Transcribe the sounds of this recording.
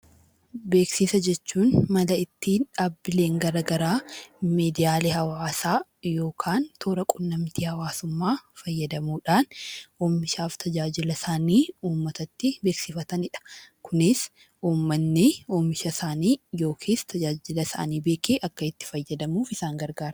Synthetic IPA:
be̞ːksɪsɐd͡ʒɛt͡ʃːuːnmɐlɐɪt̪ːiːnᶑaːbɪle̞ːŋɡɐɾɐɡɐɾaːmeːd̪ɪjaːlehɐwaːsaːjo̞ːkʰaːnt̪ʰoːɾɐkʼʊnːɐmt̪iːhɐwaːsʊmːaːfɐjːɐd̪ɐmuːᶑaːnoːmːɪʃaːft̪ʰɐd͡ʒaːd͡ʒɪlɐsaːniːuːmːɐt̪ɐt̪ːɪbe̞ːksɪfɐt̪ɐnɪᶑɐ̥kʰʊnɪs | uːmːɐnːɪoːmɪʃɐsaːniːjo̞ːkʰeːst̪ʰɐd͡ʒaːd͡ʒɪlɐsa̰ːniːbeːkʰeːʔɐkːɐɪt̪ːɪ̥fɐjːɐd̪ɐmuːfɪsaːŋɡɐɾɡaːɾɐ

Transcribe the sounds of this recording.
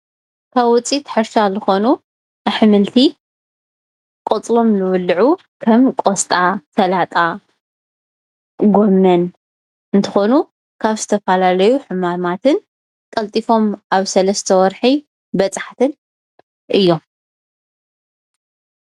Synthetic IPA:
kʰaβwʊt͡sʼit̪ʰħɨɾʃazɨxo̞nu | ʔaħɨmɨlt̪ʰi | kʼot͡sʼlo̞mzɨwʊlːʕu | kʰɐmkʼost̪ʼat̪ʰɐlat̪ʼa | ɡo̞mːɐn | ɨnt̪ʰɨxo̞nu | kʰaβzɨt̪ʰɐfɐlalɐjuħɨmamat̪ʰɨn | kʼɐlt̪ʼifo̞mʔaβsɐlɐst̪ʰɐwɔɾħi | bɐt͡sʼaħt̪ʰɨn | ʔɨjːo̞m

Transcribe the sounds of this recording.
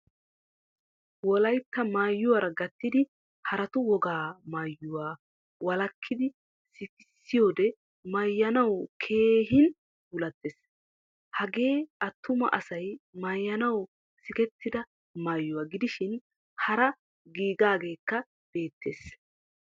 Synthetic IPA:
wɔlɐjt̪ːɐmaːjːʊwɐɾɐɡɐt̪ːɪd̪ɪ | hɐɾɐt̪ʊwɔɡaːmaːjːʊwaː | wɐlɐkʰːɪd̪ɪ | sɪkɪsːɪjo̞ːd̪ɛ | mɐjːɐnɐwkʰe̞ːɦɪn | bʊlɐt̪ːeːs | hɐɡe̞ːɐt̪ːʊmɐ̰ʔɐsɐjmaːjːɐnɐw | sɪkɛt̪ːɪd̪ɐ | maːjːʊwaːɡɪd̪ɪʃɪn | hɐɾɐ | ɡiːɡaːɡe̞ːkːɐ | b̥e̞ːt̪ʰːe̞ːs

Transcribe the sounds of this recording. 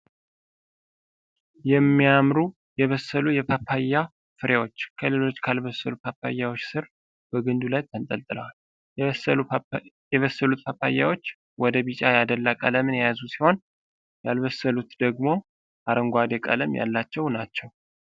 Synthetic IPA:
jɛmːijamɾu | jɛβəsːəlujɛpʰapʰːajːa | fɨɾewo̞t͡ʃːkʰəle̞lo̞t͡ʃːkʰalβəsːəlupʰapːa̰jːawot͡ʃːsɨɾ | b̥əɡɨnd̪ulajt̪ʰənt̪ʼəlt̪ʼɨlə̰wal | jɛβəsːəlut̪̚pʰapːa̰jːa̰wo̞t͡ʃː | wɔd̪əβit͡ʃʼajad̪əlːakʼə̰ləmɨnjɛjazusi̥ho̞n | jalβəsːəlut̪d̪əɡmo̞ | ʔaɾəŋɡʷad̪ekʼə̰ləmja̰lːat͡ʃːɛwnat͡ʃːɛw

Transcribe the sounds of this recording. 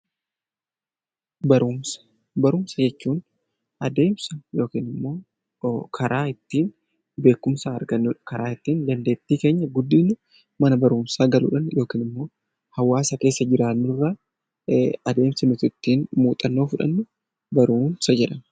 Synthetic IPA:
bɐɾumsɐ̥ | bɐɾʊmsɐd͡ʒɛt͡ʃːuːn | ʔɐd̪e̞ːmsɐjo̞ːkiːnɪmːo̞ː | kʰɐɾʔaːɪt̪ːiːn | be̞ːkːʊmsaɐ̰ɾɡɐnːuːᶑɐkɐɾaːɪt̪ːiːnd̪ɐnd̪e̞ːt̪ːiːke̞ːɲːɐɡʊd̪ːiːnʊ | mɐnɐbɐɾuːmsaːɡɐlṵːᶑɐnjo̞ːkiːnɪmːo̞ː | hɐwːaːsɐke̞ːsːɐd͡ʒɪɾaːnːʊrːa | ɐd̪e̞ːmsɐnʊt̪ʊɪt̪ːiːnmuːt̪ʼɐnːo̞ːfʊᶑɐ̰nːʊ | bɐɾuːmsɐd͡ʒɛᶑɐ

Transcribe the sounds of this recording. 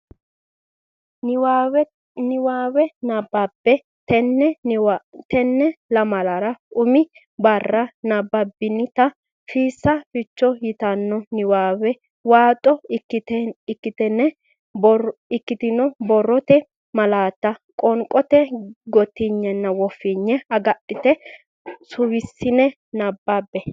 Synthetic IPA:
nwaw | nɪwaːwɛnɐbːɐbːɛ | tɛnːɛ | t̪ɛnːɛlɐmɐlɐɾɐʊmɪ | bɐrːɐnɐbːɐbɪnːɪt̪ɐ | fiːsːɐfɪt͡ʃːɔjɪt̪ɐnːɔnɪwaːwɛ | waːt̪ʼɔkːtɪkːɪt̪ɛnːɛ | bɔɪkːɪt̪ɪnɔbɔrːɔt̪ɛ | mɐlaːt̪ːɐkʼɔŋkʼɔt̪ɛɡɔt̪ːiɲːɛnːɐwɔfːɪɲːɛɐɡɐɗɪt̪ɛ | sʊwɪsːɪnɛ | nɐbːabːɛ

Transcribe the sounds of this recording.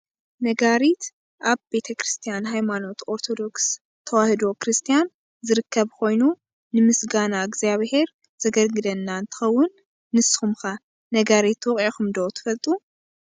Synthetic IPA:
nɐɡaɾit̪ | ʔaβbe̞t̪ʰɐkɾɨst̪ʰijanɦajmano̞t̪o̞ɾt̪ʰo̞d̪o̞ks | t̪ʰɐwahɨd̪o̞kɾɨst̪ʰijan | zɨɾɨkʰːɐβkʰo̞jnu | nɨmɨsɡanaɡziaβhe̞ɾ | z̥ɐɡɐlɡɨd̪ɐnːaɨnt̪ʰɨ̥xɐwːʊnː | ɨsɨ̥xumxa | nɐɡaɾit̪wɔkʼaxumd̪ot̪ʰɨ̥fɐlt̪ʼu

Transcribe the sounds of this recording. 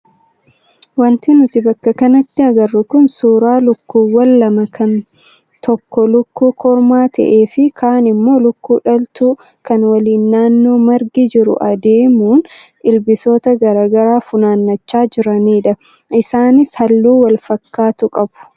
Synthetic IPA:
wɐnt̪ɪnʊt̪ɪbɐkːɐkɐnɐt̪ːɪɐɡɐrːʊkʊnsuːɾaːlʊkːuːwɐlːɐmɐkʰɐn | t̪ɔkːɔlʊkːuːkʰɔɾmaːt̪ɐ̰ʔe̞ːfɪkʰaːnɪmːo̞ːlʊkːuːᶑɐlt̪uː | kɐnwɐliːnːaːnːo̞ːmɐɾɡid͡ʒɪɾʊ̰ʔɐd̪e̞ːmuːn | ɪlbɪsoːt̪ɐɡɐɾaːɡɐɾaːfʊnaːnːɐt͡ʃːaːd͡ʒɪɾɐniːᶑɐ | ʔɪsaːnɪshɐlːuːwɐlfɐkːaːt̪ʊkʼɐbʊ̥

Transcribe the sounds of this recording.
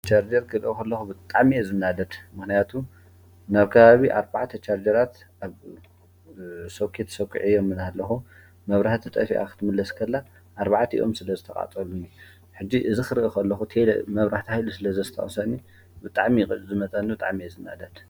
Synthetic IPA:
t͡ʃʰaɾd͡ʒɐɾɡɐlʔokʰɐlːɐxubɨt̪ʼaʕmiezɨnːad̪ɐd̪mɨxnijat̪ʰu | naβkʰɐβaβiʔaɾbaʕt̪ʰɐt͡ʃʰaɾd͡ʒɐɾat̪ | ʔaβ | sokʰet̪ʰɐ̥sɐwkʰːɨ̰ʕijomːɨnhalːɐxu | mɐβɾaħt̪ʰit̪ʼɐfiʔa̰kʰɨ̥t̪ʰɨmɨlːɐskʰɐlːa | ʔaɾbaʕt̪ʰiḭʔomsɨlɐzɨt̪ʰɐkʼa̰t͡sʼɐluni | ħɨd͡ʒːiʔɨzixɨɾɨʔokʰɐlːɐxut̪ʰel̰mɐβɾaħt̪ʰihajlusɨlɐzɐzɨt̪ʰɐ̰χʼɐ̰sɐni | bɨt̪ʼaʕmizɨmɐt͡s̪ʼɐnːibɨt̪ʼa̰ʕmiezɨnːa̰d̪ɐd̪̥

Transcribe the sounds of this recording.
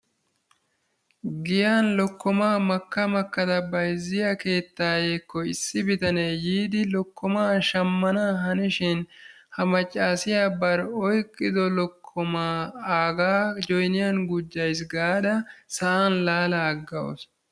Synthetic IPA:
ɡɪjaːnlɔkːɔmaːmɐkːɐmɐkːɐt̪ɐbɐjzɪjɐke̞ːt̪ːaːjeːkːɔɪsːɪbɪt̪ɐnejiːd̪ɪlɔkʰːɔmaːʃɐmːɐnaːɦɐnɪʃɪn | hɐmɐt͡ʃʼːaːsɪjaːbɐɾɔjkʼːɪd̪ɔlɔkʰːɔmaːaːɡaːd͡ʒɔjnɪjɐnɡʊd͡ʒːɐjs̬ɡaːd̪ɐsɐʔanlaːlɐːɡːɐwɔ̰s

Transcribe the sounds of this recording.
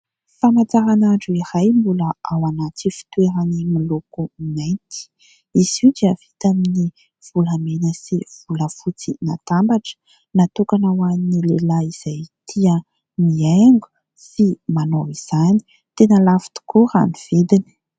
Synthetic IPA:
famat͡saɾanaɳɖ͡ʐuiɾajmbuləawanat͡sifi̥t̪weɾanimilokuinajnt̪i̥ | iz̥ud̪iəv̥it̪amini | v̥ulamenəsiv̥uləfut͡sina̰t̪ambaʈ͡ʂə̥ | nat̪ukanawaninilelaiz̥ajt̪ʰiə | mieŋɡu̥ | simanowiz̥ani̥ | t̪enəlafi̥t̪u̥kuɾa̰niv̥id̪ini̥

